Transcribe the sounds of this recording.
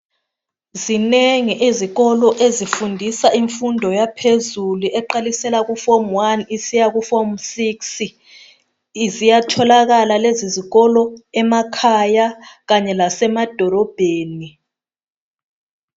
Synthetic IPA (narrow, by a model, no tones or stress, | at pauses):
zineŋiʔeziɣɔlɔʔezifundʱisaiɱfundʱɔjapʰezuluʔɛǃalisɛlaɣufɔmwanisijaɣufɔmsiks | izijatʰɔlaɣalaleziziɣɔlɔɛmakʰajaɣaɲɛlasɛmad̥ʱɔlɔb̥ʱeːni